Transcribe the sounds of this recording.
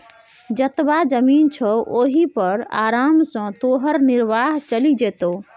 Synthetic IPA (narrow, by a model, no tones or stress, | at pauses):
d͡ʒət̪bad͡ʒəmint͡ʃʰəʔoɦipəɾa̰ɾamsə̃t̪oɦəɾniɾbaɦt͡ʃəlid͡ʒet̪o